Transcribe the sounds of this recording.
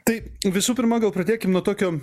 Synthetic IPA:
t̪ɐɪʋʲɪsuːpʲɪɾmɑːɡɐlˠpɾɐd̪ʲeːkʲɪmnuɔt̪oːkʲoː

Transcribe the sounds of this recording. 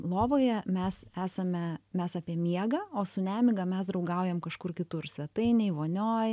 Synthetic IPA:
lˠoːʋoːjɛmʲɛsæːsɐmʲɛmʲɛsɑːpʲiɛmʲiɛɡɐoːsʊnʲæːmʲɪɡɐmʲɛsd̪ɾɐʊɡɐʊjɛmkɐʃkʊrkʲɪt̪ʊrsʲʋʲɛt̪ɐɪnʲɛɪʋoːnʲoːj

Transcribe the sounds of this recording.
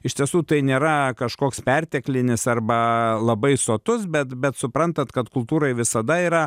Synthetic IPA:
ɪʃt̪ʲiɛsuːt̪ɐɪnʲeːɾɐkɐʃkoːkspʲɛrʲt̪ʲɛklʲɪnʲɪsɐrbɐlˠɐbɐɪsoːt̪ʊs̬bʲɛt̪bʲɛt̪sʊpɾɐnt̪ɐt̪kɐt̪kʊlˠt̪uːɾɐɪʋʲɪsɐd̪ɐiːɾɐ

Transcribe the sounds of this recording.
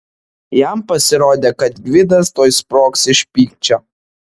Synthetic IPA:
jæˑmpɐsʲɪɾoːd̪ʲeːkɐt̪ɡʲʋʲɪd̪ɐst̪oːspɾoːksɪʃʲpʲiːk̚t͡ʃʲo

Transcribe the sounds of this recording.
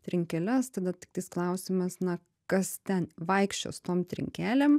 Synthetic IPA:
t̪ʲɾʲɪŋʲkʲɛlʲɛst̪ɐd̪ɐt̪ʲɪkt̪ɐɪsklˠɐʊsʲɪmɐsnɐ | kɐst̪ʲɛnʋɐɪkʃʲt͡ʃʲo̰ːst̪oːmt̪ʲɾʲɪ̰ŋʲkʲæːlʲeːm

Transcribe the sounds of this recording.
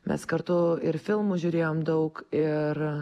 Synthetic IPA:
mʲɛ̰skɐɾt̪ʊɪɾfʲɪlˠmʊʒʲʊɾʲeːjoːmd̪ɐʊkɪɾ

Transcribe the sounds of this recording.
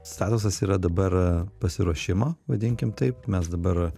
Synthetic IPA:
st̪ɑːt̪ʊs̬ɐsiːɾɐd̪ɐbɐɾpɐsʲɪɾuɔʃʲɪmoːʋɐd̪ʲɪŋʲkʲɪmt̪ɐɪp̚mʲɛsd̪ɐbɐɾ

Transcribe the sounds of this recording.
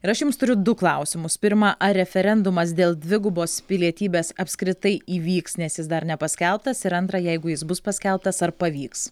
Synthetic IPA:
ɪɾɐʃjʊmst̪ʊɾʲʊd̪ʊklˠɐˑʊsʲɪmʊspʲɪɾmɐʔɐɾʲɛfʲɛɾʲɛnd̪ʊmɐs̬d̪ʲeːlˠd̪ʲʋʲɪɡʊboːspʲɪlʲiɛt̪ʲiːbʲeːsɐpʲsʲkɾʲɪt̪ɐɪiːʋʲiːksnʲɛsjɪsd̪ɐɾnʲɛpɐsʲkʲɛlˠp̚t̪ɐsɪɾɐnt̪ɾɐjɛɪɡʊjɪsbʊspɐsʲkʲɛlˠp̚t̪ɐsɐɾpɐʋʲiːks

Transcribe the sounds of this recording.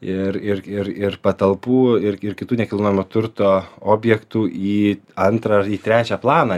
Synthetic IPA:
ɪrɪrɪɾɪrpɐt̪ɐlˠpuːɪrɪrkʲɪt̪uːnʲɛkʲɪlˠnoːjɛmuːt̪ʊɾt̪oːoːbʲjɛkt̪uːiːɐnt̪ɾɐiːt̪ʲɾʲæːt͡ʃʲɛːplˠɑːnɑ

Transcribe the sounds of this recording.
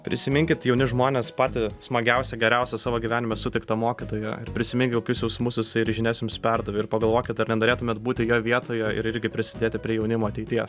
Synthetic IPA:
pʲɾʲʔɪsʲɪmʲɪŋʲkʲɪt̪jɛʊnʲɪʒmoːnʲeːspɑːt̪ʲɪsmɐɡʲɛʊsʲɛɡʲɛɾʲɛʊsʲɛsɑːʋoːɡʲiʋʲæːnʲɪmʲɛsʊt̪ʲɪk̚t̪ɐmoːkʲɪt̪oːjɛɪɾpʲɾʲɪsʲɪmʲɪŋʲkʲɪkoːkʲʊsjɛʊsmʊsjɪsɐɪɪɾʒʲɪnʲæːsʲnʲɪmspʲærd̪ɐʋʲɪɪɾpɐɡɐlˠʋoːkʲɪt̪ɐɾnʲɛnoːɾʲeːt̪ʊmʲeːt̪buːt̪ʲɪjoːʋʲiɛt̪oːjɛɪ̰ɾɪɾʲɡʲɪpʲɾʲɪsʲɪd̪ʲeːt̪ʲɪpʲɾʲiɛjɛʊnʲɪmoːɐt̪ʲɛɪt̪ʲiɛs

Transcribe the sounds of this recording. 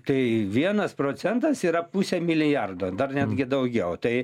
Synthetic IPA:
t̪ɐɪʋʲiɛnɐspɾoːt͡s̪ʲɛnt̪ɐsiːɾɐpusʲɛmʲɪlʲɪjɐrd̪oːd̪ɐrnʲæd̪ʲɡʲɪd̪ɐʊɡʲɛʊt̪ɐɪ

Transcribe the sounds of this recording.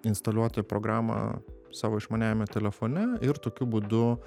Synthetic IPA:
ɪnst̪ɐlʲuɔt̪oːjɛpɾoːɡɾɑːmɐ̰sɑːʋoɪʃmɐnʲæːjmʲɛt̪ʲɛlʲɛfoːnʲɛɪɾt̪oːkʲʊbuːd̪ʊ

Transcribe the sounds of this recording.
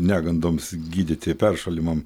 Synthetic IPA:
nʲæːɡɐnd̪oːmsɡʲiːd̪ʲɪt̪ʲɪpʲɛrʃɐlʲɪmɐm

